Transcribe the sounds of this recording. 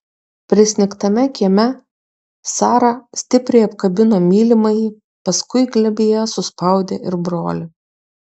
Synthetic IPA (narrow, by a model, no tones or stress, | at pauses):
pʲɾʲɪsʲnʲɪkt̪ɐmʲɛkʲiɛmʲɛ | sɑːɾɑsʲt̪ʲɪpʲɾʲɛɪɐpkɐbʲɪnoːmʲiːlʲɪmɐɪ | pɐskʊɪɡlʲɛbʲeːjɛsʊspɐˑʊd̪ʲeːʔɪɾbɾo̰ːlʲɪ